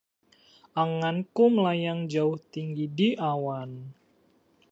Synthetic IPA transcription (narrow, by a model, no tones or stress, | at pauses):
ʔaŋankuməlajaŋd͡ʒaʊht̪iŋɡidiʔawan